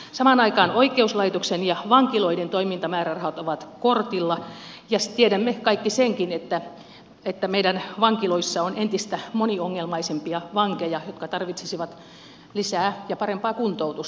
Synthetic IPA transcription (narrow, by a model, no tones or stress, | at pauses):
sɑmɑnɑikɑːnoikˑeuslɑit̪oksenjɑʋɑŋkiloident̪oimint̪ɑmæːrærɑhot̪oʋɑt̪kort̪ilːɑ | jɑst̪ieɾæmːekɑikːiseŋkinet̪ːæ | et̪ːæmeidænʋɑŋkiloisːɑonent̪ist̪æmonioŋːelmɑisempiɑʋɑŋkejɑjot̪kɑt̪ɑrʋit̪sesiʋɑt̪ | lisæːjɑpɑrempɑːkunt̪out̪us